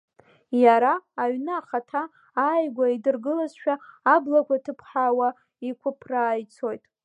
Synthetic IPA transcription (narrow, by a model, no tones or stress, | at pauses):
jaɾaːɥnɨaχatʰaː | jɡʷaidɨrɡɨlazʃᶣaːblakʷʰatʰɨpʰħawa | ikʷʰʊpʰraːjt͡sʰo̞jtʼ